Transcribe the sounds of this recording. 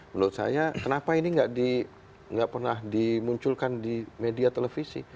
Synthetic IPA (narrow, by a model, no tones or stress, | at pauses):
mənuʊt̪̚sa̰jakənapainiŋɡaʔdi | ŋɡaʔpərnahdimuɲt͡ʃʊlkandimediat̪əlefisḭ